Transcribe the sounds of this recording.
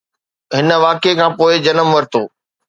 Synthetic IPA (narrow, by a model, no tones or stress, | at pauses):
ɦɪnə̆ʋaːkekʰãːpoːɪd͡ʑɐnəmʋɐɾɪt̪ʰoː